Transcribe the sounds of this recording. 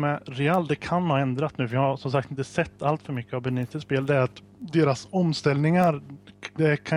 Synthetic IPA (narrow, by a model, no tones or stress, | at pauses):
mɛɾɛald̪ɛkʰanhɑːɛnd̪ɾat̪nʉ̟ːfœɾjɑhasɔmsak̚t̪ɪnt̪əsɛt̪ʰːalt̪fœɾmʏkːəavbɛnɪnst̪əspeːld̪ɛæɾat̪ | d̪eːɾasɔmst̪ɛlnɪŋaɾd̪ɛkʰa